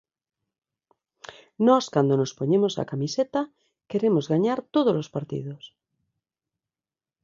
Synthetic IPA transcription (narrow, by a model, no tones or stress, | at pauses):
nɔskand̪onospoɲemosa̰kamiset̪a | keɾemozɣaɲaɾt̪oð̞olospaɾt̪ḭðos